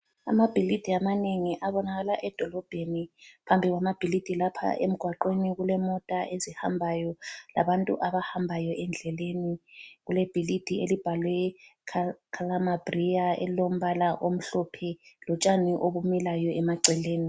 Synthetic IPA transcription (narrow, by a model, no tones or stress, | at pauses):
a̰mab̥ʱilid̥ʱiamaneŋiʔaβɔnaɣalaʔɛd̥ʱɔlɔb̥ʱenipʰambʱiɣwamab̥ʱilid̥ʱilapʰa̰ʔem̩ɡ̥ʱwaǃweniɣulɛmɔtʼaʔeziha̰mbʱajɔla̰βantʼṵʔaβahambʱajɔʔɛnd͡ɮʱɛleniɣulɛb̥ʱilid̥ʱielib̥ʱalwɛkʰkʰalamab̥riaɛ̰lom̩βalaʔom̩ɬɔpʰɛlɔt͡ʃʼaniʔoβumilajɔɛmaǀɛleːni